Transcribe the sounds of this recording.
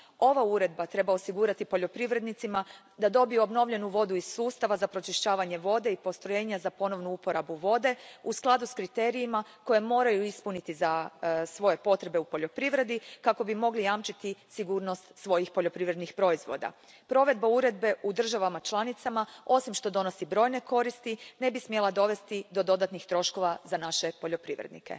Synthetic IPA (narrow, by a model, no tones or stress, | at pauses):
o̞ʋauɾe̞d̪̚bat̪ɾe̞baosiɡuːɾat̪ipo̞ʎo̞pɾiʋɾe̞d̪nit̪sima | d̪ad̪o̞bijuo̞bno̞ʋʎe̞nuʋo̞d̪uiz̥suːst̪aʋazapɾo̞t͡ʃiʃt͡ɕaːʋaɲe̞ʋo̞d̪e̞ipo̞st̪ɾo̞je̞ːɲazapo̞no̞ʋnuupo̞ɾabuʋo̞d̪e̞usklˠad̪uskɾit̪e̞ːɾijimako̞je̞mo̞ːɾajuispunit̪izasʋo̞je̞po̞t̪ɾe̞be̞upo̞ʎo̞pɾiʋɾe̞d̪ikako̞bimo̞ɡlijamt͡ʃit̪isiɡuːɾno̞st̪sʋo̞jixpo̞ʎo̞pɾiʋɾe̞d̪nixpɾo̞izʋo̞̰d̪a̰ | pɾo̞ʋe̞d̪̚bauɾe̞d̪̚be̞ʔud̪r̩ʒaʋamat͡ʃlˠanit̪samao̞simʃt̪o̞d̪o̞no̞sibɾo̞ːjne̞ko̞ɾist̪ine̞bismje̞lˠad̪o̞ʋe̞st̪id̪o̞d̪o̞d̪at̪nixt̪ɾo̞ʃko̞ʋazanaʃe̞po̞ʎo̞pɾiʋɾḛd̪nḭke̞̰